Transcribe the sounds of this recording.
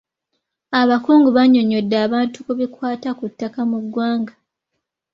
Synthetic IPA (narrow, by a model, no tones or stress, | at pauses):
aβakuːŋɡuβaɲːo̞ɲodːaːβaːntukuβikwaːtakutːakamuɡwaːŋɡa